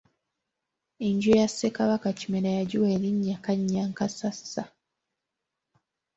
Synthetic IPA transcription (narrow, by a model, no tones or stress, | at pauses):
eɲɟojasːekaβakacimeɾajaɟuweːɾiɲːakaɲːaŋkasasːa